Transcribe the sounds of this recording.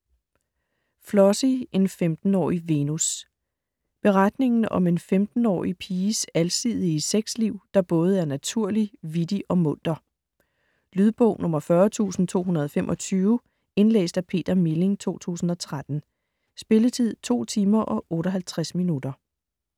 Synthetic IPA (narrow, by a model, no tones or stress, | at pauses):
flɒsie̝nfemd̥n̩ɒ̰ːiʋe̝nus | b̥e̝ʁad̥ne̝ŋn̩ɒ̽me̝nfemd̥n̩ɒ̰ːipʰiːsælsiðˠiːseɡ̥sliʊ̰d̥ɑ̈b̥ɔ̽ːð̞̩ˠæɐnæt͡sʰuɐ̰liʋid̥iʔɒ̽mɔ̽n̰d̥ɐ | lyðˠb̥ɔ̰ʊ̰nɔ̽mɐfɶɐt͡sʰṵːsn̩t͡sʰo̝̰ːɦunɐð̞̩ˠɒfemʔɒ̽t͡sʰyːʊ | e̝nlḛːsd̥æpʰe̝̰ːd̥ɐmile̝ŋt͡sʰo̝̰ːt͡sʰṵːsn̩ɒ̽t͡sʰʁad̥n̩ | sb̥e̝lət͡sʰið̞̰ˠt͡sʰo̝̰ːt͡sʰiːmɐʔɒ̽ʔɔ̽ːɾɒɦælt͡sʰʁasminud̥ɐ